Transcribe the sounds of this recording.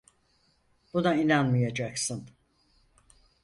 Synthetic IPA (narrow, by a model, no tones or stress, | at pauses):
b̥unainanmɯjad͡ʒaksɯn